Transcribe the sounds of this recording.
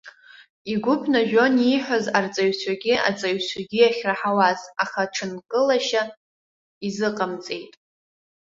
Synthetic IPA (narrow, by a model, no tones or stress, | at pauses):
iɡʷʊpʰnaʒᶣo̞niħʷᶣazart͡sʼaɥt͡sʷʰaɡʲia̰t͡sʼaɥsʷʰaɡʲijaχʲraħawazaχaʈ͡ʂʰɨnkʼɨlaʃa | izɨqʼamt͡sʼe̞jtʼ